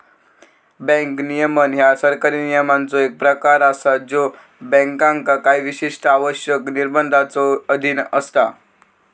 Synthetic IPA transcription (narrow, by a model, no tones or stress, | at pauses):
bɛ̃ŋknijəmənjasəɾkaɾiːnijəmant͡soek̚pɾəkaɾasad͡zo | bɛ̃ŋkãŋkakaiʋiɕiʂʈəaʋəɕjəkniɾbənd̪ʱat͡soəd̪ʱinəst̪a